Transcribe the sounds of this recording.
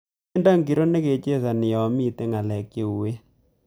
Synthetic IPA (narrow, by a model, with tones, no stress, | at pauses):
nda˦ŋɡi˨ɾo˦ne˦ke˨t͡ʃe˦sa˨nɪ˨jɔ˨mi˦te˦ŋa˨lɛ˨kːe˦˨u˨we˦